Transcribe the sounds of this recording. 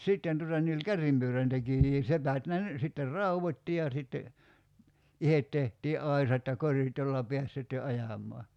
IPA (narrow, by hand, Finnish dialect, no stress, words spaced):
sitːen tutɑ ni olʲ kærːimpyøræntekijiː sepæt ne ny sitːer rɑuʋotʲti jɑ sitːe ihet tehtiː ʔɑisɑt jɑ korit jolːɑ peæs sitːe ɑjɑmˑɔɑ